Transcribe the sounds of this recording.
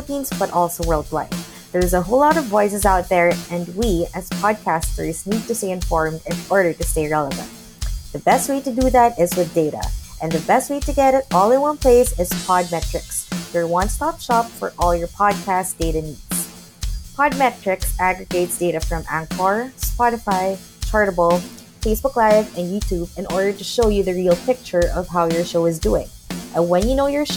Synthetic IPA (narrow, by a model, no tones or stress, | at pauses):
əpĩnzb̥ʌɾʔɔlˠsoʊwɜ˞lˠd̚wa̰ɪf | ðə˞zəɦoʊlɑɾʌvːɔɪs̬ɨzaʊt̪̚ðə˞ɨ̃nwiɨz̥pʰɑd̚kʰæstə̰˞znid̚tɨsteɪɨ̃ɱfɔɹmdɨ̃nɔɹɾə˞ɾɨsteɪɹɛlˠəvə̰̃nt̚ | ðɨbɛst̚weɪɾɨdɨðæɾɪzwɨðdeɪɾə̰ʔɨ̃nðɨbɛst̚weɪtɨɡɛɾɨɾɔlˠɨt̚wʌ̃npʰl̥eɪzɪz̥pʰɑd̚mɛt͡ʃɹ̥ɨksjə˞wɑ̃nstɑpʃɑpfə̰˞ʔɔlˠjə˞pʰɑd̚kʰæsd̥eɪɾɨnidz̥ | pʰɑd̚mɛt͡ʃɹ̥ɨksæɡɹɨɡeɪtsd̥eɪɾɨfɹʌ̃mʔæ̰̃ŋkʰɑɹspɑɾɨfaɪ | t͡ʃʰɑɹɾəbl̩ˠ | feɪsb̥ʊklaɪvɨ̃njʉtʰʉbɨ̃nɔɹɾə˞ɾɨʃoʊjɨðɨɹilˠpʰɪk̚t͡ʃə˞ʔʌv̥ɦaʊjə˞ʃoʊɨzduɪ̰̃ŋə̃nwɨ̃njɨnoʊjə˞ʃ